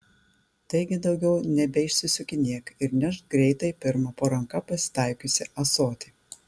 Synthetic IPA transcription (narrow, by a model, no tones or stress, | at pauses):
t̪ɐɪɡʲɪd̪ɒʊɡʲɛʊnʲɛbʲɛɪʃʲsʲɪsʲʊkʲɪnʲiɛkɪɾnʲɛʃɡɾʲɛɪt̪ɐɪpʲɪɾmɐpoɾɐŋkɐpɐsʲɪ̥t̪ɑɪkʲʊsʲɪʔɐsoːt̪ʲiː